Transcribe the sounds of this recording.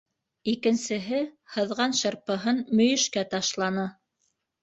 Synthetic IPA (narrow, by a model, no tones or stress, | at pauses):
ikɘ̆nsɘ̆ɦɘhɤ̆ðʁɑnʃɤ̆ɾpɤ̆ɦɤnmɵ̆jɵ̆ʃkæt̪ɑʃlˠɑnɤ